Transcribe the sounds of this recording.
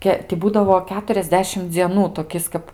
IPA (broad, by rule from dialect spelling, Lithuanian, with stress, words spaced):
ˈkʲɛ tʲɪ ˈbuːdɐʋoː ˌkʲæːtʊrʲɛzʲˈdʲæːʃʲɪm d͡zʲiɛˈnuː toːˈkʲɪs kɐp